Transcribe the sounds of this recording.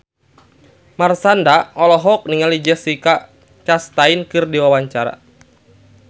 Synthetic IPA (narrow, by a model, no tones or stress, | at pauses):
marsandaɔlɔɦɔk̚niŋalid͡ʒɛsika | t͡ʃast̪ainkɨrdiwawaɲt͡ʃaɾa̰